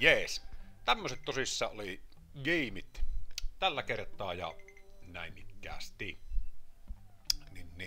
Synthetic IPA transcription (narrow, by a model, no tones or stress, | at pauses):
jeːst̪æmːøset̪t̪osisːɑːʔoli | ɡiːmit̪t̪ælːækert̪ˑɑːjɑ̰næˑinʔikkæ̰ːst̪i | ninni